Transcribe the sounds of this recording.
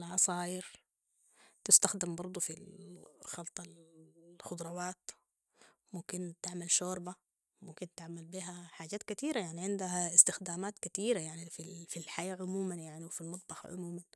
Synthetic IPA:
lʕɑsɑːʔɪɾ | t̪ɪst̪axd̪ɪmbɑɾˤd̪ˤufilxɑlt̪ˤɑlxʊd̪ɾˤɑwaːt̪ | mʊmkɪnt̪ɪʕmalʃoːɾba | mʊmkɪnt̪ɪʕmalbiːɦaħaːd͡ʒaːt̪kat̪iːɾajaʕniʕɪnd̪aɦaɪst̪ɪxd̪aːmaːt̪kat̪iːɾajaʕnififilħajaːʕʊmuːmanjaʕniwfilmɑt̪̚ˤbɑxɑ̰ʕʊ̰muːman

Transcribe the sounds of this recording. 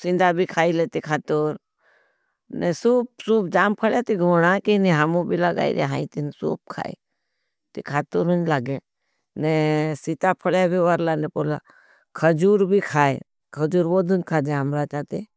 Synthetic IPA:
sĩnd̪abʱikʰaːilet̪ikʰaːt̪oːɾ | nesuːp̚suːpd͡ʒaːmpʰəɽjat̪iɡʱoːɽãkiniɦəmũbiləɡa̰ːḭɾḛɦaːĩt̪insṵːp̚kʰa̰ːḛ | t̪ikʰaːt̪uːɾunlaɡẽ | nesit̪apʰəɽjabʱiʋaɾlanepoːla̰ | kʰəd͡ʒuːɾbʱikʰaːḛ | kʰəd͡ʒuːɾʋoːd̪unkʰaːd͡ʒeɦəmɾat͡ʃaːt̪e

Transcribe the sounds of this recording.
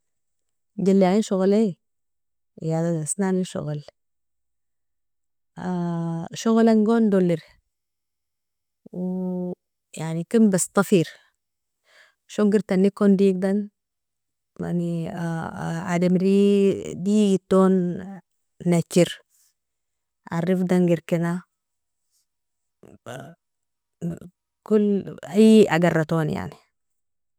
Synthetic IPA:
ɟalːiɣinʃoɣle | jad̪ad̪asnaniʃo̰ɣl | aʃuɣlaŋɡond̪oliɾ | w | jaʕnikinbast̪ˤɑfiɾ | ʃoŋɡiɾt̪anːikond̪iɡ̚d̪an | ma̰ni | ad̪amɾid̪iːɡit̪ːoːnː | at͡ʃːiɾ | ʔarːifd̪anɡiɾkina | kulajʔaɡarːɑt̪oːnja̰ʕni

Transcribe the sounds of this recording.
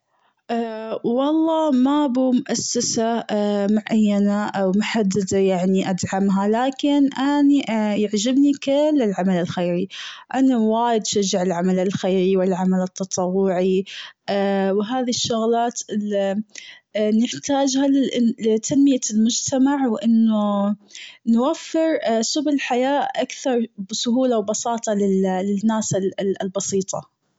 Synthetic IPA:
ʔaːwɑlˤːɑːmabuːmʊʔasːasamʊʕʔajːanaʔawmʊħad̪ːad̪ajaʕniʔad̪ʕamɦalaːkɪnʔaniʔjɪʕd͡ʒɪbnikɪlːɪlʕamalɪlxejɾiʔanawaːjɪd̪ʃad͡ʒːaʕɪlʕamalɪlxeːɾiwɪlʕamalɪt̪ːɑt̪ˤɑwːʊʕiʔwɦaːðiʃːʊɣlaːt̪ɪli | nɪħt̪aːd͡ʒhallɪt̪ʰanmɪjalmʊd͡ʒt̪amaʕwʔɪnːʊ | nwafːɪɾsʊblɪlħajaːʔʔakθɑɾˤbsʊɦuːlawbɑsɑːt̪ˤɑlɪlɪnːaːslbɑsiːt̪ˤɑ̰

